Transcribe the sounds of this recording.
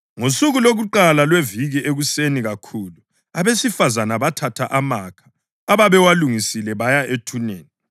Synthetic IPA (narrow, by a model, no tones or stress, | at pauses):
ŋosuɣuloɣuǃalalweviɣiʔeɣuseniɣakʰuːlu | aβesifazanaβatʰatʰaʔamakʰḁː | βaβɛwaluŋisilɛβajaʔetʰuneːni